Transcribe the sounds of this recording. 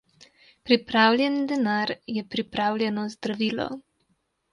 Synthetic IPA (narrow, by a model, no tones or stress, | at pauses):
pɾipɾaːwlʲjɛnd̪ɛnaɾjɛpɾipɾaːwlʲjɛnɔzd̪ɾaʋiːlɔ̰